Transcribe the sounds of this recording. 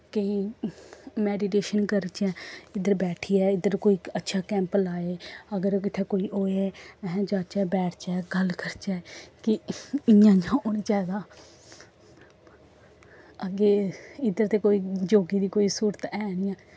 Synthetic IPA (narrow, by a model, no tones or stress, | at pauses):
kəĩː | mɛːɖiʈ̬eːʃənkəɾt͡ʃɛːɪd̪əɾbɛːʈʰiːɛːɪd̪əɾkoːiːətːʃʰaːkɛ̃ːmplaːeːəɡəɾkɪt̪ʰeːkoːiːoːeɛːɦɛ̃d͡ʒaːt͡ʃɛːbɛːʈʰt͡ʃɛːɡəlkəɾt͡ʃɛːkɪɪãːd͡ʒãːoːniːt͡ʃɛːd̪ãː | əɡeːɪd̪əɾt̪eːkoːiːd͡ʒoːɡiːd̪iːkoːiːsuːɾət̪ɛːnɪãː